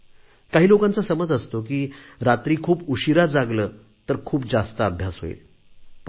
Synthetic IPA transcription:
kaɦiːlokãnt͡səsəməd͡zəst̪ok̬iːɾat̪ɾiːkʰuːpuɕiɾad͡zaɡləː | t̪əɾkʰuːp̚d͡zast̪əːbʱjasɦo̰ḛl

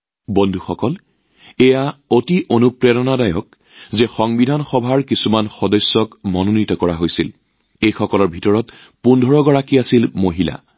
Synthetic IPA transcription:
bondʱuxɔkɔl | ɛjaotiʔonupɹɛdɔnadajɔk̚ | zexɔŋbidʱanxɔbʱaɹkisumanxɔdɔjsːɔkmɔnonitɔkɔɹaɦojsil | ejxɔkɔlɔɹbʱitɔɹɔt | pundʱɔɹɔɡɔɹakiasilmoɦila̰

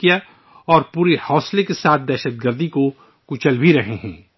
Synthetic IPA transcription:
ija | ɔːɾpuːɾihɔːslekesaːt̪̚ʰd̪ɛːʃəd̪̚ɡəɾd̪iko | kʊt͡ʃəlbʱiɾɐɦeɦɛ̃ː

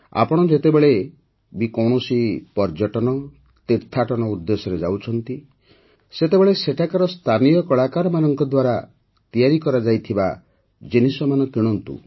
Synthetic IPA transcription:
a̰pɔɽ̃ɔd͡ʒet̪ebeɭe | bikɔwɳ̃ɔsipɔɾd͡ʒɔʈɔnɔ | t̪eɾt̪ʰːaʈɔnɔud̪ːesɔɾed͡ʒawt͡ʃʰɔnt̪i | set̪ebeɭeseʈʰakaɾɔst̪ʰanijɔkɔɭakaɾɔmanɔŋkɔd̪waɾa | t̪ijaɾikɔɾad͡ʒajt̪ʰiba | d͡ʒinisɔmanɔkiɽ̃ɔnt̪ṵ

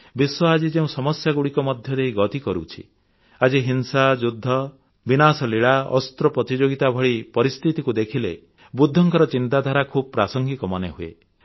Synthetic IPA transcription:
biswɔad͡ʒid͡ʒeũsɔmɔsjaɡuɽikɔmɔd̪ʱjɔd̪eiɡɔt̪ikɔɾṵt͡ʃʰḭ | ad͡ʒiɦinsad͡ʒud̪ʱːɔ | binasɔliɭaɔ̰st̪ɾɔpɾɔt̪id͡ʒoɡit̪abʱɔɭipɔɾist̪ʰit̪ikud̪ekʰile | bud̪ʱːɔŋkɔɾɔt͡ʃint̪ad̪ʱaɾakʰubɔpɾasɔŋɡikɔmɔneɦuḛ

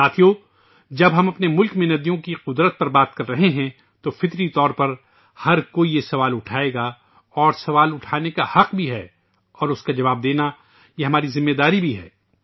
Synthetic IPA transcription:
saːt̪ʰijoː | d͡ʒɐbɦɐmɐpnemʊlkmẽnɐd̪ijõkiqʊd̪ɾət̪̚pɐɾbaːt̪kɐɾːɐɦeɦɛ̃ | t̪ofɪt̪ɾit̪ɔːɾpɐɾ | hɐɾkoːijesɐʋaːlʊʈʰaːeːɡa | ɔːɾsɐʋaːlʊʈʰaːnekahɐqbʱiɦɛː | ɔːɾʊskad͡ʒɐʋaːb̚d̪eːna | jeɦɐmaːɾizɪ̃mːeːd̪aːɾibʱiɦɛ̰ː

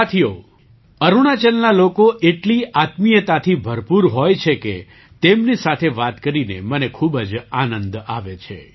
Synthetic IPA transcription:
t̪ʰijo | əɾuɽ̃at͡ʃəlnalokoʔeʈliʔat̪mijət̪at̪ʰibʱəɾpuɾɦojt͡ʃʰeke | t̪emnisat̪ʰeʋat̪kəɾinḛmənekʰubəd͡ʒanə̃nd̪aʋet͡ʃʰḛ

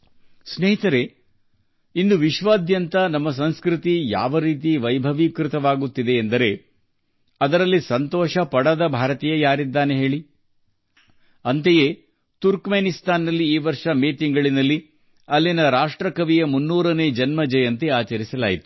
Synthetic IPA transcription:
sneːɦit̪ɐɾe̞ | ind̪uʋiʃʋaːd̪jɐnt̪ɐnɐmːɐs̬ɐnskɾit̪ija̰ːʋɐɾiːt̪̬iʋɐjbʱɐʋikɾɪt̪ɐʋaːɡut̪ːid̪e̞ːnd̪ɐɾe̞ | ɐd̪ɐɾɐlːisɐnt̪ɔːʃɐpɐɽɐd̪ɐbʱaːɾɐt̪ijɐjaːɾid̪ːaːne̞ɦe̞ːɭi | ɐnt̪ejeː | t̪uɾkmeːnist̪aːnːɐlːiiːʋɐɾʂɐmeːt̪iŋɡɐɭinɐlːi | ɐlːinɐɾaːʂʈɾɐkɐʋijɐmunːuːɾɐne̞ːd͡ʒɐnmɐd͡ʒɐjɐnt̪iaːt͡ʃɐɾisɐlaːjit̪u̥

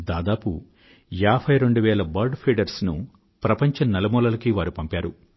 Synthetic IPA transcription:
d̪aːd̪aːpṵ | jaːbʰɐjɾeɳɖuʋɛːlɐbɐɾɖpʰeːɖɐɾsnu | pɾɐpɐɲt͡ʃɐnɛlɐmɔːlɐlɐkiʋaːɾupɐmpaːɾu

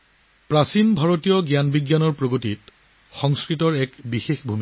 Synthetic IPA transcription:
pɹasinbʱaɹotijɔɡjanbiɡjanɔɹpɹoɡotit | xɔŋskɹitɔɹɛkbixexbʱumi

